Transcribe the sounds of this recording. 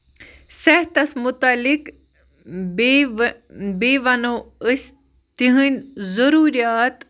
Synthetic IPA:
sɛɦt̪ɐsmʊt̪aːlik | beːʋɐnoːəs | t̪iɦɨnʲzɐɾuːɾijaːt̪

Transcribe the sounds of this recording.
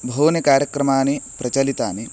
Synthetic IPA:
bʱoːnjɐkaːɾjɐkɾɐmaːnepɾɐt͡ʃɐlit̪aːne

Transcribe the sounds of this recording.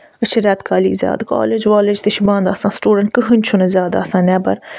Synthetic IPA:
ət͡ʃʰiɾʲaːt̪kaːlḭːzʲja̰ːd̪ko̰ːled͡ʒʋaːled͡ʒt̪ɐʃibãːnd̪aːsãːsʈuːɖɐɳʈ̚kɨɦɨnʲt͡ʃʰunɐzʲjaːd̪a̰ːsãːnɛːbɐ̰ɾ

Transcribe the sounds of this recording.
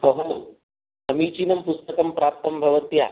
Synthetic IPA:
pɐɦɐn | ɐmiːt͡ʃinɐmpust̪ɐkɐmpɾaːp̚t̪ɐmbʱɐʋɐt̪ja̰ː

